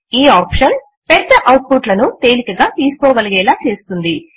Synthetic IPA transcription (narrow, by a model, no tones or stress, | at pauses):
iːaːpʂɐn | pɛd̪ːɐʔɐwʈ̚puʈlɐnut̪e̞ːlikɐɡaːt̪iːsu̥kɔːɡɐlɐɡɛːlaːt͡ʃe̞ːst̪und̪i